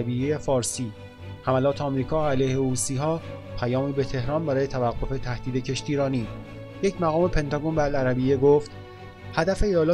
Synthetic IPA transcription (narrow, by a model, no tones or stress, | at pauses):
bijejefɒːɾsiː | hæmælɒːt̪ʰeɒmɾiːkʰɒːælejheɾuːsiːɦɒːpʰæjɒːmiːbet̪ʰe̞hɾɒːnbæɾɒːje̞t̪ʰævæɡːo̞fe̞t̪ʰæhd̪̥iːd̪e̞cʰe̞ʃt̪iːɾɒːniː | je̞cʰmæɣɒːme̞pʰe̞nt̪ʰɒɡonbælæɾæbijeɡoft̪ | hæd̪æfe̞ijɒːlɒː